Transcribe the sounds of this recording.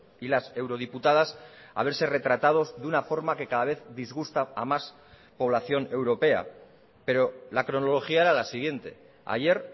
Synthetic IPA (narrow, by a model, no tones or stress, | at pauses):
ilase̞wɾo̞ð̞iput̪að̞asa̰β̞eɾse̞re̞t̪ɾat̪að̞o̞zðunafo̞ɾmake̞kaðaβe̞θd̪izɣust̪aamas | po̞β̞laθjo̞ne̞wɾo̞pe̞a̰ | pe̞ɾo̞lakɾonolo̞xiaeɾalasiɣ̞je̞nt̪e̞̰ | a̰ʝe̞ɾ